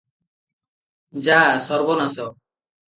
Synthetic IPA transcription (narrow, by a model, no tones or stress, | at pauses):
d͡ʒasɔɾbɔnasɔ